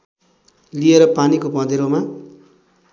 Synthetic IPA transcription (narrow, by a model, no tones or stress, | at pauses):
lieɾʌpanikopʌ̃d̪eɾoma